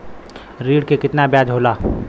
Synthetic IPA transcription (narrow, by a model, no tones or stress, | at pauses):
ɾiːɽkekɪt̪nabjaːd͡ʒɦoːlaː